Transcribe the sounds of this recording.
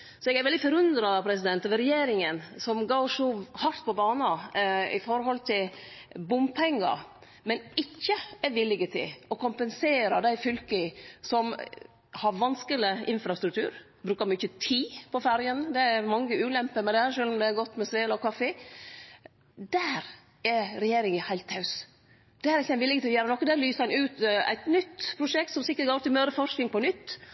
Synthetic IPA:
sɔɛɡæɾʋɛld̪ɪfɔɾʉnd̪ɾɑpʰɾɛs̬ɪd̪ɛnt̪ɔʋɾɛjeːɾɪŋənsɔmɡɑːʂɔhɑɾt̪pʰɔbɑːnɑɪ̰fɔɾɦɔlt̪ʰɪlbʊmpʰɛŋːɑ̰ɾ | mɛnɪçːəɛɾʋɪlːɪɡət̪ʰɪ̰ɔkʰʊmpənseːɾɑd̪æɪfʏlk̪ɪsɔm | hɑɾʋɑnskəlɪʔɪnfɾɑst̪ɾʉk̚t̪ʰʉ̰ːɾ | bɾʉːkɑɾmɛʏçːət̪ʰiːpʰɔfæɾjənd̪ɛæɾmɑŋːəʉːlɛmpəmɛd̪ɛʂøːlɔmd̪ɛæɾɡɔt̪ːmɛsʋeːlɔkʰɑfə | d̪æːɾ | ɛɾɾɛjeːɾɪŋəhæɪlt̪hɑʉs | d̪̥ɛæɾɪçːæɪnʋɪlːɪɡət̪ʰɪlɔjæːɾənɔkːɔd̪æːɾlyːsəɛnʉːt̪æ̰ɪt̪nʏt̪ːpʰɾʊʂɛk̚t̪sɔmsɪkːətɡoːɾt̪ɪlmøːɾəfɔɾʂknɪŋpɔnʏt̪ː

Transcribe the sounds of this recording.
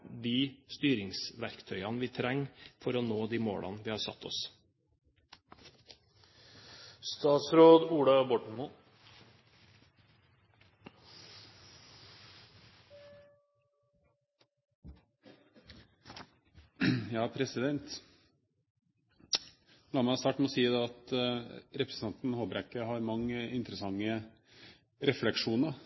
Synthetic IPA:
d̪iːst̪yːɾɪŋsʋæɾkt̪ʰœʏɑnʋiːt̪ʰɾæŋfɔɾoːnoːd̪iːmo̰ːɽʔɑ̰nʋiːhɑːɾsɑ̰t̪ʰːɔ̰s | st̪ɑːt̪sɾoːd̪uːɽɑbɔʈɳ̩o | jɑːpʰɾɛsɪd̪ɛnt̪ | lɑːmæst̪ɑːʈmɛɔsiːəd̪ɛɑt̪ | ɾɛpɾsnɑnt̪n̩hoːbɾækəhɑɾmɑŋːəɪnt̪ɾəsɑŋːə | ɾɛflɛkʂuːnə

